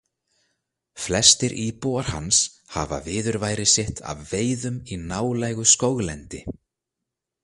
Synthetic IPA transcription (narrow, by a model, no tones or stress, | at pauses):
flɛst̪ɪɾʔipowaɾ̥ha̰ns | ha̰va̰vɪːðʏɾvaːjɾɪsɪht̪ʰa̰vveːjðʏminaːwlajɣʏskowɣlɛnt̪ɪ